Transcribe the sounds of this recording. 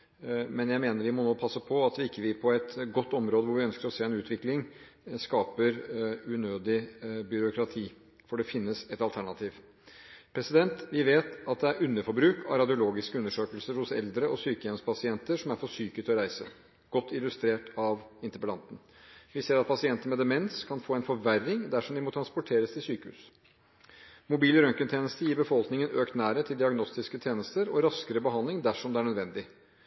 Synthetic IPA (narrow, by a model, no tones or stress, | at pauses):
mɛnjæɪmeːnəɾʋɪmɔnoːpʰɑsːəpʰɔɑt̪ʋɪɪkːəʋɪpʰɔɛt̪ɡɔt̪ːɔmɾoːd̪əʋʊɾʋɪœnskəɾɔseːɾɛnʉːt̪ʰʋɪklɪŋskɑːpəɾʉnøːd̪ɪbʏɾʊkɾɑt̪ʰiː | fɔɖɛfɪnːəsɛt̪ɑlt̪ʰæɳɑt̪ʰiːʋ | pʰɾɛsɪd̪ɛnt̪ʋɪʋeːt̪ɑt̪̚d̪ɛæɾʉnːəfɔɾbɾʉːkʰɑɾɑd̪ɪʊloːɡɪskəʉnːəʂøːkəlsəɾhʊsɛ̰ld̪ɾəʔɔsyːkəjɛmspʰɑsɪɛnt̪əʂɔmæɾfɔʂyːkət̪ʰɔɾæɪsə̰ | ɡ̥ɔt̪ːɪlʉst̪ɾeːʈɑʋɪnt̪əpəlɑnt̪n̩ | ʋɪseːɾɑt̪̚pʰɑsɪɛnt̪əmɛd̪ɛmɛnskʰɑnfoːɛɪnfɔɾʋærːɪŋd̪æʂɔmd̪ɪmɔt̪ʰɾɑnspʊʈʰeːɾəst̪ʰɪsyːkəhʉ̰ːs | mʊbiːləɾœŋkənt̪ʰeːnəst̪əjiːɾbəfɔlknɪŋənøːkt̪næːɾət̪ʰɪld̪ɪɑɡnɔst̪ɪskət̪ʰjeːnəst̪əɾɔɾɑskəɾəbəɦɑnd̪lɪŋd̪æʂɔmd̪ɛæɳœd̪ʋɛnd̪ɪ